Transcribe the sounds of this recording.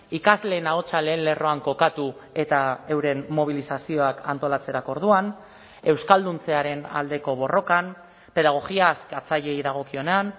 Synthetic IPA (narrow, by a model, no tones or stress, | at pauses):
ikazle̞ːnao̞t͡sale̞ːle̞ro̞aŋko̞kat̪ue̞t̪aewɾe̞nmo̞β̞ilisasio̞aka̰nt̪o̞lat͡se̞ɾako̞ɾð̞uan | e̞wskald̪unt͡se̞aɾe̞na̰ld̪e̞ko̞βo̞ro̞kan | pe̞ðaɣ̞o̞ɣiaskat͡saʎe̞jðaɣ̞o̞kio̞ne̞an